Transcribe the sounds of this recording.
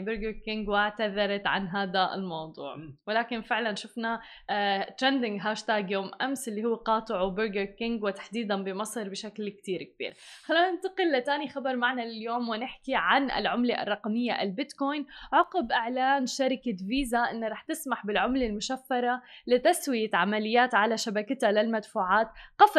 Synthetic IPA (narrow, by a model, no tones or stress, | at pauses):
bʊɾɡəɾkɪŋɡwɪʕt̪aðɑɾˤɑt̪ʕa̰nɦaːd̪aɪ̰lmɑwd̪ˤṵːʕwɪlaːkɪnfɪʕlanʃʊfna | t̪ɾɛnd̪ɪŋɡɦaːʃt̪aːɡjoːmʔamsɪlːihʊwːqɑːt̪ˤɨʕbʊɾɡəɾkɪŋɡwɪt̪ḁħd̪iːd̪anbɪmɑsˤɨɾbɪʃaklkt̪iːɾk̚b̥ḭːɾxalːiːnanɪnt̪ɑqɪlːɪt̪aːnixɑbɑɾˤmaʕnalɪljoːmwɪnɪħkiʕanʔɪ̰lʕʊmleʔɑ̰rˤːɑqmɪjːaʔɪ̰lbɪt̪koːjnʕʊqɪbʔɪʕlaːnʃaɾɪkaviːzaʔɪnːɾˤɑːħt̪ɪsmaħbɪlʕʊmlalmʊʃafːɑɾˤalɪt̪aswɪjaʕamalɪjːaːt̪ʕalaʃabakat̪alɪlmad̪fuːʕaːt̪qɑf